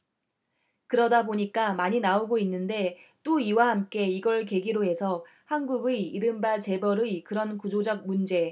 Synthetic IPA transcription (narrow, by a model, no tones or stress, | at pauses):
kɯɾʌdaboɲik͈amaɲinaoɡoinːɯnde̞t͈oiwahamk͈e̞iɡʌɭke̞ɡiɾoɦe̞sʰʌ | hanɡuɡɯiɾɯmbat͡ɕe̞bʌɾɯkɯɾʌnkud͡ʑod͡ʑʌk̚mund͡ʑe̞